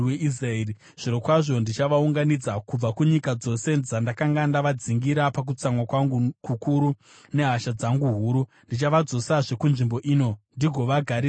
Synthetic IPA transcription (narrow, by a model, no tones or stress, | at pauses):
weʔisraeːri | ʐ̥iɾo̞kwaʐo̞ndit͡ʃaʋauŋɡanid͡zakub͡vakuɲikad͡zo̞se̞d͡zandakaŋɡandaʋad͡ziŋɡiɾapak̬ut͡samwakwaŋɡukukuɾu | ne̞ɦaʃad͡zaŋɡuɦuːɾu | ndit͡ʃaʋad͡zo̞saʐe̞kunʐimbo̞ʔiːno̞ndiɡʱo̞ʋaɡʱaɾi